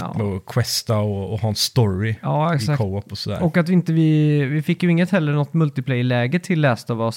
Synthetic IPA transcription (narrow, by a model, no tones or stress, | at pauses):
mɛɔkʰwɛst̪aɔːhɑːɛnst̪ɔɾɪɑːɛksakʰoɔpːɔsɔd̪æ̰ːɔkːat̪vɪɪnt̪əvɪvɪfɪkːjɵɪŋːət̪hɛlːəɳɔt̪ːmɵlt̪ɪpʰlɛjlɛːɡət̪ʰɪlːɛːst̪ɑːvɔs